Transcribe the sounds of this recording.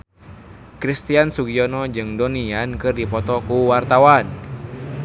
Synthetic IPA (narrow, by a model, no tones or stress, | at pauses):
kɾist̪iansuɡiɔnɔd͡ʒɨŋdɔniankɨrdipɔt̪ɔkuwart̪awan